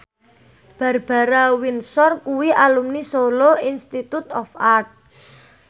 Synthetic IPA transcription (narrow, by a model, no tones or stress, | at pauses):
b̥ä̤rb̥a̤ɾawinsɔrkuwiʔalumnisoloinst̪it̪ut̪ɔfart̪̚